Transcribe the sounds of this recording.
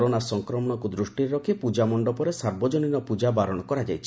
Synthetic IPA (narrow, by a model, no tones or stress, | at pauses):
ɾonasɔŋkɾɔmɔɽ̃ɔkud̪ɾuʃʈiɾeɾɔkʰepud͡ʒamɔɳɖɔpɔɾesaɾbɔd͡ʒoninɔpud͡ʒabaɾɔɽ̃ɔkɔɾad͡ʒajt͡ʃʰi̥